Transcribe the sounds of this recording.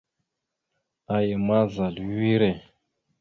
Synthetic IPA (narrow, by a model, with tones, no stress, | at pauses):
a˨jɛ˨ma˦za˨li˨wi˦ɾɛ˨